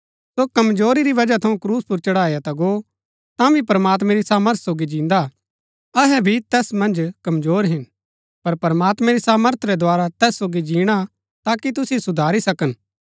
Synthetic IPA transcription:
sokɐmzoːɾiɾiʋɐd͡ʒat̪ʰɐũkɾuːspʊɾt͡ʃɐɽaːjat̪aɡo | t̪ãbʱipɾəmaːt̪̬mɛ̃ɾisaːməɾt̪ʰsoːɡid͡ʒĩːnd̪a | ɐɦɛbʱit̪ɛːsmɐ̃nd͡ʒkɐmzoːɾɦɪn | pɐɾpɐɾmaːt̪mɛ̃ɾisaːməɾt̪ʰɾɛd̪aːɾat̪ɛːsːoːɡid͡ʒĩːɽ̃a | t̪aːkit̪̬ʊsisʊd̪ʱaːɾisɐkən

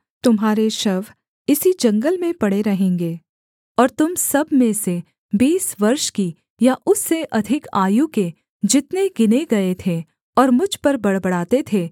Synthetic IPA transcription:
t̪ʊmɦaːɾeʃɐʋ | ɪsid͡ʒɐ̃ŋɡəlmẽpɐɽ̤eɾɐɦẽːŋɡeː | ɔːɾt̪ʊmsɐbʱmẽse | biːsʋɐɾʃki | jaʔʊsːeʔɐd̪ʱɪka̰ːjũke | d͡ʒɪt̪neɡɪneɡɐet̪ʰe | ɔːɾmʊd͡ʒʱpɐɾbɐɽbɐɽ̤aːt̪et̪ʰeː

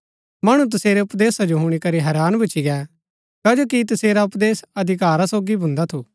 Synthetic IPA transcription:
mɐɽ̃ũt̪̬ɐseːɾeʊpd̪eːsad͡ʒoɦʊ̃ɽ̃ikɐɾiɦɛːɾaːnbɐt͡ʃiɡɛ | kaːd͡ʒoːkit̪ɐseːɾaʊpd̪eːsɐd̪ʱɪkaːɾasoːɡibʱʊ̃nd̪at̪ʰuː

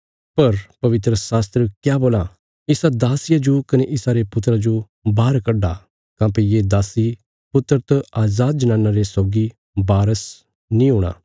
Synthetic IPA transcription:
pɐɾpɐʋɪt̪ɾəsaːst̪ɾəkjaːboːla | ɪsad̪aːsɪjad͡ʒokɐneʔɪsaɾepʊt̪ːɾad͡ʒo | baːɾkɐɖa | kãːpejed̪aːsi | pʊt̪ːɾt̪ɐaːzaːd̪̚d͡ʒɐnãːnːaɾesɔːɡi | baːɾəs | nĩɦʊːɽ̃a̰ː

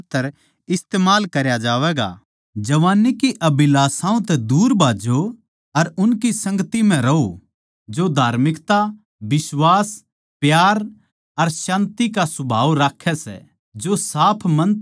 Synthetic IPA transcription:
t̪ːəɾ | ɪst̪eːmaːlkɐɾjad͡ʒaːʋɛːɡa̰ | d͡ʒɐʋaːnːikiʔɐbɪlaːsãːõt̪ɛd̪uːɾbʱaːd͡ʒo | ɐɾʊnkisɐ̃ŋɡət̪im̤ɛ̃ɾɐɦo | d͡ʒod̪ʱaːɾmɪkt̪a | bɪswaːs | pjaːɾ | ɐɾsãːnt̪ikasʊbʱaːʋɾaːkʰːɛsɛ̰ | d͡ʒosaːpʰmɐ̃n

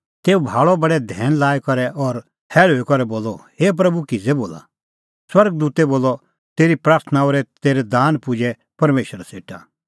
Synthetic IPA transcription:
t̪eːubʱaːɭɔbɐɽɛd̪ʱɛːnlaːɛkɐɾɛʔɔɾ | hʰɛːɭɦoːikɔɾɛboːlːɔɦeːp̬ɾɐbukizeboːla̰ | swɐɾɡ̚d̪uːt̪ɛboːlːɔ | t̪eːɾipɾaːɾt̪ʰənaoːɾɛt̪eːɾɛd̪aːnpʊd͡ʒɛ | pɐɾmeːʃəɾaseːʈa̰

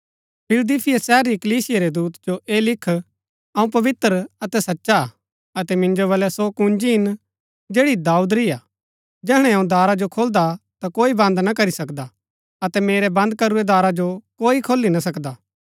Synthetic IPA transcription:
pʰɪld̪iːpʰɪjasɛɦəɾːikɐliːsɪjaɾɛd̪uːt̪d͡ʒoʔeːlɪkʰ | ɐũp̬ɐʋɪt̪ɾɐt̪ɛsɐtːʃa | ɐt̪ɛmɪ̃nd͡ʒoβɐlɛsokũnd͡ʒiɦɪn | d͡ʒeːɽid̪aːud̪ɾɪaː | d͡ʒɛːɦɽ̃ɛɐũd̪aːɾad͡ʒokʰoːld̪at̪akoːibɐ̃nd̪nakɐɾisɐkd̪a | ɐt̪ɛmeːɾɛbɐ̃nd̪̚kɐɾuɾɛd̪aːɾad͡ʒokoːikʰoːlːinas̬ɐkd̪aː

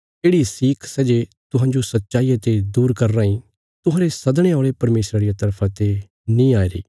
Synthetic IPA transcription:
eːɽisiːkʰsɛd͡ʒet̪ʊɦãːɲd͡ʒosɐtːʃaːijat̪ed̪uːɾkɐɾːaːĩ | t̪ʊɦãːɾesɐd̪ɽ̃ẽaːɭepɐɾmeːsɾaɾijat̪ɐɾpʰat̪e | nĩːaːiɾḭː

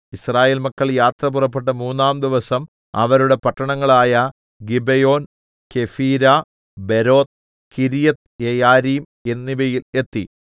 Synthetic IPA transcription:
israːjeːlmɐkːɐɭjaːt̪rɐpurɐpːe̞ʈːɐmuːnːaːmd̪iʋɐsɐm | ɐ̰ʋɐɾuɽe̞pɐʈːɐɳɐŋːɐɭaːjɐ | ɡibejo̞ːn | ke̞fiːɾa | be̞ɾo̞ːt̪ | kiɾijɐt̪jejaːɾiːm | e̞nːibɐjile̞t̪ːi

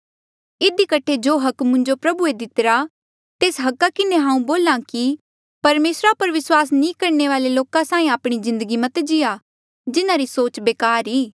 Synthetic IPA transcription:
ɪd̪ikɐʈʰed͡ʒoːɦɐkmʊ̃ɲd͡ʒopɾɐbued̪ɪt̪ɾa | t̪eːsɦɐkːakɪneɦãːũboːlãki | pɐɾmeːsɾapɐɾʋɪswaːsnĩːkɐɾneʋaːleloːkãsãːĩaːpɽ̃izɪ̃nd̪əɡimɐt̪d͡ʒɪja | d͡ʒɪnãɾisoːt͡ʃbeːkaːɾiː

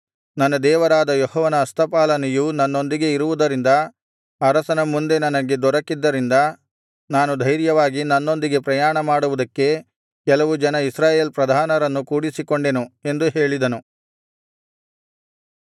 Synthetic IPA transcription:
nɐnːɐd̪ɛːʋɐɾaːd̪ɐjɔɦɔːʋɐnɐːst̪ʰɐpaːlɐnɛjunɐnːo̞nd̪iɡe̞iɾuʋud̪ɐɾind̪ɐ | ɐɾɐsɐnɐmːund̪e̞nɐnɐɡe̞d̪ɔɾɐkːid̪ːɐɾind̪ɐ | naːnud̪ʱɐjɾjɐʋaːɡinɐnːo̞nd̪iɡe̞pɾɐjaːɳɐmaːɽuʋud̪ɐkːe̞ | kɛlɐʋud͡ʒɐnɐisɾaːjeːlpɾɐd̪ʱaːnɐɾɐnːukuːɽisikoɳɖe̞nue̞nd̪uɦe̞ːɭid̪ɐnu

